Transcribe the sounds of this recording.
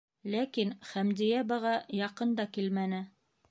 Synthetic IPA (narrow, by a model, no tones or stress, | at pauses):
lækinχæmd̪ĭjæbɤʁɑjɑqɤnd̪ɑkilmænɘ